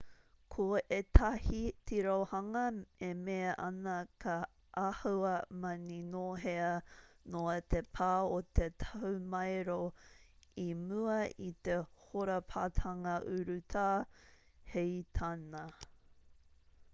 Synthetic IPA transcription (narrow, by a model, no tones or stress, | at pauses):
kʰoet̪ʰɐhitʰiɾowhɐŋɐemeɐʔɐ̰nɐkʰɐ | ʔahɐɐmɐninoɦeɐnoɐt̪epʰaːot̪et̪ʰɐumɐjɾo | imuɐit̪ehoɾɐpʰat̪ʰɐŋɐʔʉɾʉt̪ʰaː | hejt̪ʰanɐ